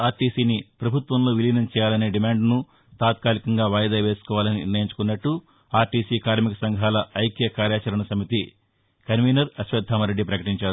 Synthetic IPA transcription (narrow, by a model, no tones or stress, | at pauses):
aːɾʈiːsiːnipɾɐbʱut̪ʋɐmlo̞ːʋilinɐmt͡ʃɛːjaːlɐne̞ːɖimaːɳɖnu | t̪aːt̪kaːlikɐŋɡaːʋaːjɐd̪aːʋe̞ːsu̥kɔːʋaːlɐninḭɾnɐjiɲt͡ʃu̥kunːɐʈːu | aːɾʈiːsiːkaːɾmikɐsɐŋɡʱɦaːlɐɐjkjɐkaːɾjaːt͡ʃɐɾɐɳɐsɐmit̪i | kɐɾʋiːnɐɾɐʃʋɐd̪ʱːaːmɐɾeɖːipɾɐkɐʈiɲt͡ʃaːɾu